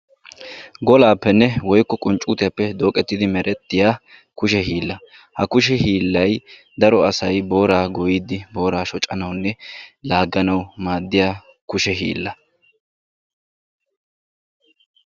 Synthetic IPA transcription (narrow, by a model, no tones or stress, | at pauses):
ɡɔlaːpːɛnːɛwɔjkːɔkʼʊnt͡ʃʼuːt̪ɪjɐpːɛd̪o̞ːkʼɛt̪ːɪd̪ɪmɛɾʔɛt̪ːɪjaː | kʊʃɛɦiːlːɐ | hɐkʊʃ̬ɛhiːlːɐj | d̪ɐɾɔɐsɐjbo̞ːɾaːɡɔjid̪ɪbo̞ːɾaːʃɔt͡ʃʼɐnɐwnːɛlaːɡːɐnɐwmaːd̪ːɪjaː | kʊʃɛɦḭːlːɐ